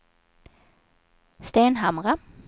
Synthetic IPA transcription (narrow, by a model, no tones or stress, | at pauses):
st̪eːnɦɑmʁa